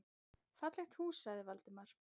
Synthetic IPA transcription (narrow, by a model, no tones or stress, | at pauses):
fat̪lɛxt̪husaɣðɪvalt̪ɪmaɾ̥